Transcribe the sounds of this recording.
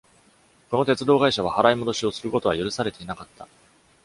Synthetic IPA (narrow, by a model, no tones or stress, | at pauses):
ko̞no̞t̪e̞t͡sɨd̪o̞ːɡaiɕaβ̞ahaɾaimo̞d̪o̞ɕio̞sɨɾɯ̟ko̞t̪o̞βajoɾɯ̟saɾe̞t̪e̞inakat̪ːa